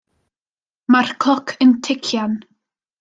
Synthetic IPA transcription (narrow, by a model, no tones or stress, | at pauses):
markʰlˠɔkʰəntʰɪkʰjan